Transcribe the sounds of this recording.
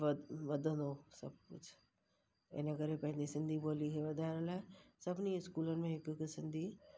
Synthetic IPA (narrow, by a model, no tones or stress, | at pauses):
ʋɐd̪ʱə̃nd̪osɐ̰b̚kʊt͡ʃʰ | ɪ̰nɐkəɾepɐ̃ɦɪ̃nd̪isɪ̃nd̪ʱiboːliɦeʋɐd̪ʱaːɾəlaːsɐbniɪskuːlənɪ̆mẽɦɪkksɪ̃nd̪ʱi